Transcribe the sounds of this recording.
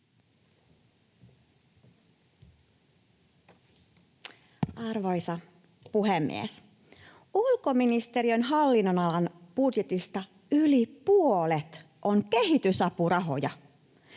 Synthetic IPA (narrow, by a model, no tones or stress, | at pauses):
ɑrʋo̞jsɑ | puɦemːḭḛs | ulko̞minist̪e̞ɾiønɦɑlːinːonɑlɑnb̥udjet̪ist̪ɑ | ylipuolet̪ | ʔoŋke̞ɦit̪ysɑpurɑɦo̞̰jɑ